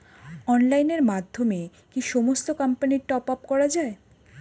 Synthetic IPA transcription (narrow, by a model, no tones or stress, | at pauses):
ɔnlajneɾmad̪ʱːome | kiʃɔmost̪okampaniʈɔpap̚kɔɾad͡ʑae